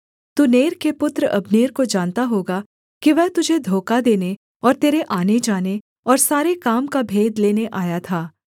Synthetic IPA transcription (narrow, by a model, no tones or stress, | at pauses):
t̪uːneːɾkepʊt̪ɾəʔɐbneːɾkod͡ʒaːnt̪aɦoːɡa | kiʋɛɦt̪ʊd͡ʒʱed̪ʱoːkad̪eːne | ɔːɾt̪eːɾeʔaːned͡ʒaːne | ɔːɾsaːɾekaːmkabʱeːd̪leːneʔaːjat̪ʰaː